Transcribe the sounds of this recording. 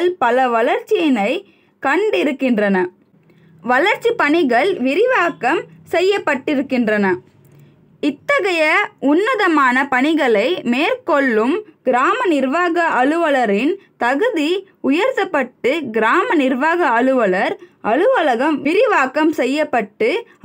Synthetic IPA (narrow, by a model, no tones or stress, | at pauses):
ɭpɐlɐʋɐlɐɾt͡ʃːɪjɪnɐɪ | kɐɳɖɪɾɯkːɪndrɐnɐ | ʋɐlɐɾt͡ʃːipɐɳɪɣɐɭʋɪɾɪʋaːkɐmsɛjːɐpːɐʈːɪɾɯkːɪndrɐnɐ | ɪt̪ːɐɣɐjɐʊnːɐðɐmaːnɐpɐɳɪɣɐɭɐɪmeːɾkɔɭːɯmɡ̥ɪɾaːmɐnɪɾʋaːɣɐʔɐɭɯʋɐɭɐɾɪnt̪ɐɣɯði | ʊjɐɾt̪ɐpːɐʈːɯɡɪɾaːmɐnɪɾʋaːɣɐːɭɯʋɐɭɐɾʔɐɭɯʋɐɭɐɣɐmʋɪɾɪʋaːkɐmsɛjːɐpːɐʈːɯ